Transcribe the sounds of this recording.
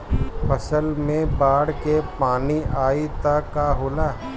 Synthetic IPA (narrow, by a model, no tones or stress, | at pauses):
pɐsəlmẽbaːɽkepaːniaːit̪akaɦoːlaː